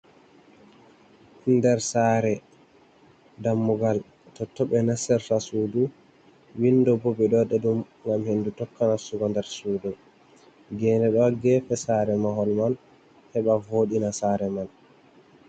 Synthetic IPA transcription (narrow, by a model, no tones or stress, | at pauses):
ndɛɾsaːɾɛ | damːuɡal | tɔtːɔɓɛnasɛɾfasudu | windɔbɔbɛɗɔɗɛɗum | ŋɡamhenːdutɔkːanasuɡɔndɛɾsuːdɔ | ɡɛːnɛɗɔɡɛfɛsaːɾɛmaɦɔlman | hɛɓavoːɗinasaːɾɛman